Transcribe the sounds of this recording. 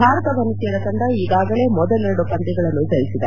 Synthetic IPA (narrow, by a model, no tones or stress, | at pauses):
bʱaːɾɐt̪ɐʋɐnːuseːɽɐt̪ɐɳɖ̪ɐiːɡaːɡɐɭe̞ːmɔd̪ɐleɾɐɽupɐnt̪iɡɐɭɐnːud͡ʒɐɾisid̪e